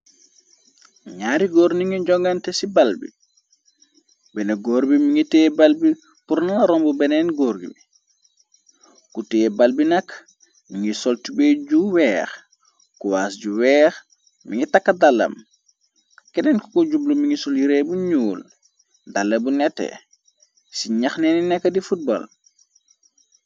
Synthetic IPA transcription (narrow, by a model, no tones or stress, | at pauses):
ɲaːɾiɡɔːɾniŋid͡ʒɔŋɡantɛsibalbḭ | bɛneɡoːɾbimiŋiteːbalbi | puɾnalaɾɔmbubɛnɛnɡoːɾɡḭbi | kuteːbalbinakː | miŋisɔltibeɟuwɛːx | kuwaːsɟuwɛːx | mḭŋitakːɐdalːɐ̰m | kɛdɛnkɔkɔɟublumiŋisɔljiɾebuɲuːl | dalːɐbunɛtːɛ̰ | siɲɐxnɛninɛkːɐdifut̚bo̰l